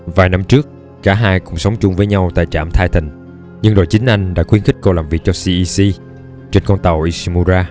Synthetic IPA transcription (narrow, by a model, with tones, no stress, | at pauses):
vaː˨˩jna˧mt͡ɕɨ˦˥ək̚ː | aː˧˩ɦaː˧jkʊ̰˧˩ŋ͡msə˨˦wŋ͡mt͡ɕʊ˧ŋ͡mvəː˨˦jɲa˧wt̪a̰ː˧˨jt͡ɕaː˧˩mt̪ʰaː˧jt̪ï˨˩ŋ̟ | ɲɨ˧ŋɗo̰˧˨jt͡ɕï˨˦ŋ̟ʔa˧jŋ̟ɗa̰ː˧˥xwi˧ənxï˦˥k̟̚ko˧laː˨˩mvi˨˩ək̚t͡ɕɔ˧si˧ʔi˧si˧ | t͡ɕe˧nkɔ˧nt̪ə˨˩wʔi˧si˧mu˧zaː˧